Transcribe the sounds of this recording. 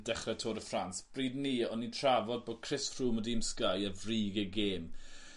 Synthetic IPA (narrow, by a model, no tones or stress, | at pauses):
dɛχrɛtʰoːdəfransb̥riːdniːɔnːintʰravɔd̚boːd̥̚kʰr̥ɪsfruːmɔdiːmskajəvriːɡəɡeːm